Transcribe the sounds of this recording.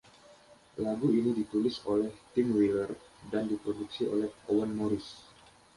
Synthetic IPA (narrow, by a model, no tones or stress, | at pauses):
laɡuinidit̪ulɪsolɛht̪ɪŋwilərdandipɾoduksio̰lɛhowanmoɾɪs